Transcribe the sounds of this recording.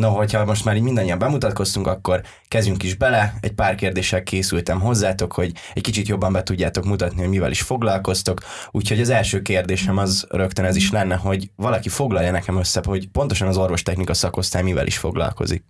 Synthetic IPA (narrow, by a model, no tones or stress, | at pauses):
noɦo̞chɒmo̞ʃt̪maːɾiːɟmind̪ɒɲːijɒmbɛmut̪ɒt̪̚ko̞st̪uŋkɒkːo̞r | kɛzɟyŋkiʒbɛlɛɛɟ̚paːrkeːrd̪eːʃɛlkeːsylt̪ɛmɦo̞zːaːt̪o̞kho̞ɟ | ɛckit͡ʃit̪jo̞bːɒmbɛt̪uɟːaːt̪o̞kmut̪ɒt̪niɦo̞ɟmivɛ̰lḭʃfo̞ɡlɒlko̞st̪o̞k | uːcho̞ɟɒzɛlʃøːkeːrd̪eːʃɛmɒzrø̞kt̪ønɛziʃlɛnːɛɦo̞ɟʋɒlɒkifo̞ɡlɒljɒnɛkɛmø̞sːɛho̞ɟpo̞nt̪o̞ʃɒnɒzo̞rvo̞ʃt̪ɛxnikɒsɒko̞st̪aːjmivɛ̰lʔḭʃfo̞̰ɡlɒ̰lko̞̰zḭk̚